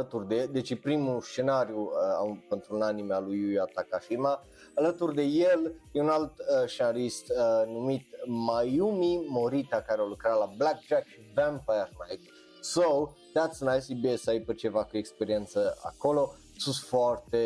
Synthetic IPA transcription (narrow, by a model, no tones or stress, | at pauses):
ət̪urd̪ed̪et͡ʃepɾimust͡ʃe̞naɾjuəa̰pent̪ɾunanimealujujat̪akaʃima | alət̪urd̪e̞jeljeunalt̪ʃt͡ʃenalist̪numit̪majumimoɾit̪akaɾealukɾalablak̚t͡ʃakʃivãmpajərnajt̪ | sow | t̪at̪snajsibiesajpət͡ʃe̞vakuekspeɾient̪səa̰kolo̞ | sunt̪foʊart̪e̞